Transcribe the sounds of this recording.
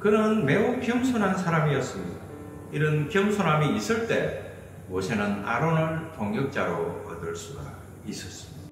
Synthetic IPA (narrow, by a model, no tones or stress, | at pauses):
kɯnɯnme̞ukiɯmsʰonɦansʰaɾamiʌs͈ɯmɲida | iɾɯnkiɯmsʰonamiːs͈ɯɭt͈e̞ | mosʰenana̰ɾonɯɭtoŋjɯk̚t͡ɕ͈aɾoʌdɯɭs͈uɡa̰ | is͈ʌs͈ɯmid̥aa